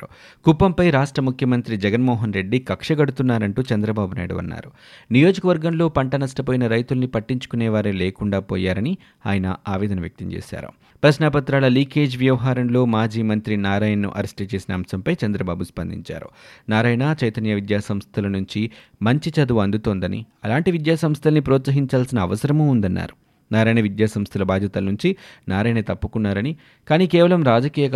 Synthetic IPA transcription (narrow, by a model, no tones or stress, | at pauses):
u | kupːɐmpɐjɾaːʂʈɾɐmukʰjɐmɐnt̪ɾid͡ʒɛɡɐnmɔːɦɐnɾe̞ɖːikɐkʂɐɡɐɽut̪unːaːɾɐɳʈuːt͡ʃɐnd̪ɾɐbaːbuna̰ːjɽṵʋɐ̰nːa̰ːɾu | nijoːd͡ʒɐkɐʋɐɾɡɐmlo̞ːpɐɳʈɐnɐsʈɐpoːjinɐɾɐjt̪ulɐnipɐʈːiɲt͡ʃu̥kunɛːʋaːɾeleːkuɳɖaːpoːjaːɾɐni | aːjɐnɐ̰aːʋɛːd̪ɐnɐʋjɐk̚t̪ɐ̰mt͡ʃḛːʃa̰ːɾṵ | pɾɐʃnaːpɐt̪ɾaːlɐliːke̞ːd͡ʒʋjɐʋɐɦaːɾɐmlo̞ːmaːd͡ʒiːmɐnt̪ɾinaːɾaːjɐnːṵʔɐɾesʈiɐt͡ʃe̞ːsinɐɐmsɐmpɐjt͡ʃɐnd̪ɾɐbaːbuspɐnd̪ʱḭɲt͡ʃa̰ːɾṵnaːɾaːjɐnɐt͡ʃɐjt̪ɐnjɐʋid̪jaːsɐmst̪ʰɐlɐnuɲt͡ʃi | mɐɲt͡ʃit͡ʃɐd̪uɐnd̪ut̪oːnd̪ɐnḭɐlaːɳʈiʋid̪jaːsɐmst̪ʰɐlɐnipɾoːt̪sɐɦiɲt͡ʃaːlsinɐːʋɐsɐɾɐmuːund̪ɐnːa̰ːɾu | naːɾaːjnɐʋid̪jaːsɐmst̪ʰɐlɐbaːd̪ʱjɐt̪ɐlɐnuɲt͡ʃinaːɾaːjnɐt̪ɐpːukunːaːɾɐni | kaːniːkɛːʋɐlɐmɾaːd͡ʒɐkiːjɐ